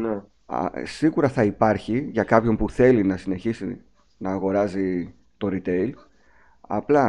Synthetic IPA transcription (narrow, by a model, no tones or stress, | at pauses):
nḛ | siɣuɾɐθɐipɐɾçiʝɐkɐpço̞mpuθe̞linɐsine̞çisi | nɐːɣo̞ɾɐzi | t̪o̞ɾit̪e̞il | ɐ̰plɐ